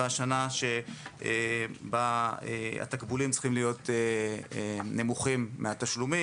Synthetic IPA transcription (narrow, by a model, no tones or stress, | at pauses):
aʃanaʃeebaea̰t̪akbulimtt͡sχimlijo̞t̪e | nemuχimːeat̪aʃlumi